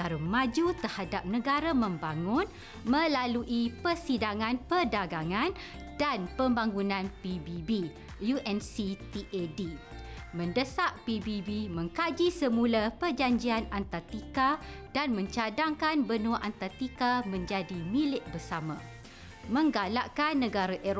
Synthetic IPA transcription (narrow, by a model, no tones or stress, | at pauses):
kaɾumãd͡ʒut̪ərhadap̚nə̃ɡaɾamə̃mbaŋʊn | mə̃laluʔipərsidaŋãnpərdaɡaŋãn | danpəmbaŋunãnpibibi | juʔɛnsit̪iʔedi | mə̃ndəsaʔpibibimə̃ŋkad͡ʒisəmulapərd͡ʒaɲd͡ʒianant̪art̪ikad̥anmə̃ɲt͡ʃadaŋkanbənũaʔant̪art̪ikamə̃ɲd͡ʒadimĩlɪʔ̚bərsamã̰ | mə̃ŋɡalaʔkanːə̃ɡaɾaʔe